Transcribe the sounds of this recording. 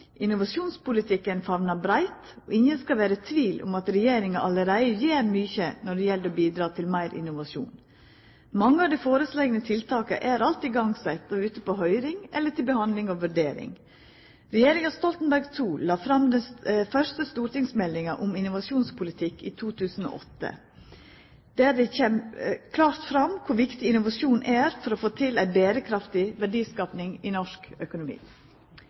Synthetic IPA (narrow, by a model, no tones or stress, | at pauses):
ʔɪnʊʋɑʂuːnspʊlɪt̪ʰɪkːənfɑʋnɑbɾæɪt̪ | ɔ̰ɪɲjənskɑʋæːɾət̪ʰʋiːlʔʊ̰mɑt̪ɾɛjeːɾɪŋɑʔɑləɾæɪəjeːɾmyːçənɔɖɛjɛld̪ɔːbiːd̪ɾɑːt̪ʰɪlmæɪɾʔɪ̰nʊʋɑʂṵːn | mɑŋːəɑʋd̪æɪfoːɾəsleːɡənət̪ʰɪlt̪ʰɑːkə̰ʔæɾɑlt̪ɪɡɑŋsɛt̪ːɔʉːt̪əpoːɦœʏɾɪŋɛ̰lːəʈɪlbəhɑnd̪lɪŋɔʋʉɖeːɾɪ̰ŋ | ɾɛjeːɾɪŋɑst̪ɔlt̪nbæɾɡt̪ʰuːlɑːfɾɑmd̪ɛnfœʂt̪əst̪uːɾʈ̪ɪŋsmɛlːɪŋɑʔʊmɪnʊʋɑʂuːnspʰʊlɪt̪ʰɪkːiːt̪ʰuːt̪ʰʉːsn̩o̰ːʔɔt̪ːə̰ | d̪̥æːdɛçɛmkʰlɑːɾt̪fɾɑmkʰʊɾʋɪkt̪ɪɪnʊʋɑʂuːnʔæːɾfɔɾɔfoːt̪ʰɪlæɪbeːɾəkʰɾɑft̪ɪʋæɖiːskɑːpnɪŋɪnɔʂkœkʊnʊmḭː